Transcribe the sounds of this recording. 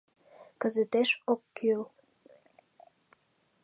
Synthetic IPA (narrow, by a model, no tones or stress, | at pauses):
kəzət̪eʃokːyl